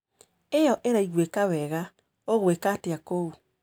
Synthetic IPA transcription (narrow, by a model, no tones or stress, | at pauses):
ejɔʔeɾaiɣwekawɛɣa | oɣwekaːteakou